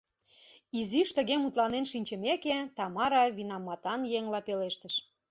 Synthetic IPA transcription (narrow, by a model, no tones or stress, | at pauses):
iziʃt̪ə̆ɣemut̪lɑnenʃinʲt͡ɕəmeket̪ɑmɑɾɑβinɑmːɑt̪ɑnjeŋlɑpeleʃt̪əʃ